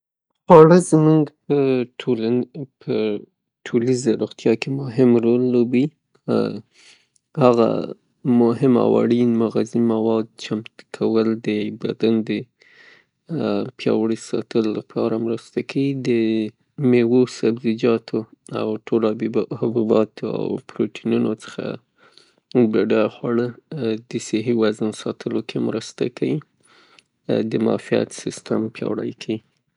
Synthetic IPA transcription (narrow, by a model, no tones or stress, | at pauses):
ɑɽəzmuŋɡpəʈʰolapʰə | ʈʰolizaɾoxt̪jɑkemʊɦɪmɾolːobi | haɣa̰ | mʊɦɪma̰wɑ̰ɽinmaɣazimawɑd̪̚t͡ʃamt̪kʰawəld̪əbad̪and̪ə | pjɑ̰wɽisɑt̪əllapʰɑɾamɾəst̪akʰawid̪ə | mewosabzɪd͡ʒɑt̪ʰoa̰wʈʰolahabubɑt̪ʰoa̰wpɾoʈʰinunot͡sə̥xa̰ | beɖajxwaɽəd̪əsɪɦiwazənsɑt̪ʰəlokʰemɾəst̪akʰawi | d̪əmɑ̰fija̰t̪sɪst̪ampjɑ̰wɽa̰jkʰawi